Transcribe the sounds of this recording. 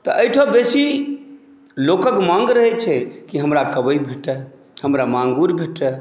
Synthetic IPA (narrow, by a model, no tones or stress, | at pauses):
t̪ɔʔəjʈʰobesi | lokəkmãŋɡɾəɦɛt͡ʃʰɛkiɦəmɾakəbəjbʱeʈə | həmɾamãŋɡuɾbʱeʈə